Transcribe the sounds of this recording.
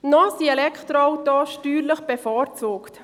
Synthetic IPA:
nɔsiɛlɛkʰχt̪ɾɔɔwt̪ɔʃtyːɾləχb̥ɛfɔːɾt͡soːkt

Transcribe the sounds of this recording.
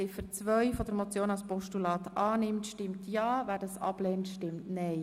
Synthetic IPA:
ɪfəɾt͡svʋœʏfɔd̥̪əɾmot͡sjoːnɑlspɔʃtulɑːt̪ʔɑːnɪmtʃtɪmtjɑːʋæːdɑsɑ̰b̥lɛːntʃtɪmtnɛɪ

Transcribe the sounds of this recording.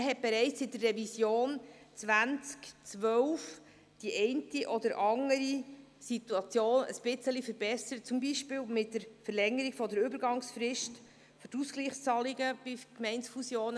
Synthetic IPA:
ɦɛt̚b̥ɛɾɛɪt͡sɪt̚dərːɛvisjoːn | t͡sʋænt͡skt͡sʋœwf | d̥iʔɛɪntiʔɔdəɾʔɑŋːəɾi | situɑt͡sjoːnə̰sb̥ɪt͡səlifəɾbɛsəət̚t͡sʊmbiːʃpɪːwmɪtdəɾfəɾlɛŋəɾiɡ̥fɔdəɾʏbəɾɡɑŋsfrɪʃt | føɾtuskliːχt͡sɑliɡəb̥ɪkmɛɪntsfusjoːnə

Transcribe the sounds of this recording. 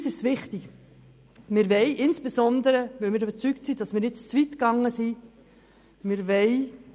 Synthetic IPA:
sɪʃt͡sʋɪχtik | mɪɾʋɛɪʔɪnsb̥esɔnd̪əɾəʋɛmɪːɾdɛbɛt͡syktsidɑsmɪːɾjɪt͡st͡svitkɑŋːəsi | mɪɾʋɛɪ

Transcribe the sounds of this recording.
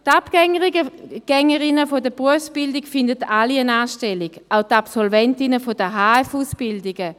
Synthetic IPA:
tapɡ̥ɛŋəʁiɡəɡ̥ɛŋəʁɪnəfodəbʁuəfsb̥ɪldikfɪndətaliənaːʃtɛliɡ̥ʔaʊtapsɔlvɛntɪnəfodəɦaːɛfuːsb̥ɪldɪɡə

